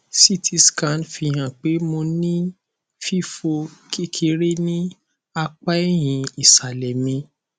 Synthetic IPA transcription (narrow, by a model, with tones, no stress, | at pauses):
si˦˨tʰi˧skã˨˦nfi˧hã˨k͡pe˨˦mo˧nĩ˦ | fi˦fo˧kʰi˦˨kʰi˧˦ɾe˦nĩ˦ | a˧k͡pa˦ɛ˦j̃ĩ˧i˨sa˨lɛ˨mĩ˧